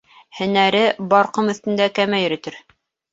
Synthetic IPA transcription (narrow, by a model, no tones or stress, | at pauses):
hɘ̆næɾɘbɑɾqomɵ̆θt̪ɘ̆nd̪ækæmæjɵ̆ɾɘ̆t̪ɘɾ